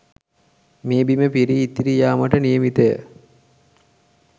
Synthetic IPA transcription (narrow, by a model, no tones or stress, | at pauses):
miəbiməpiɾiːt̪ːiɾijaːməʈənijəmit̪əjə̰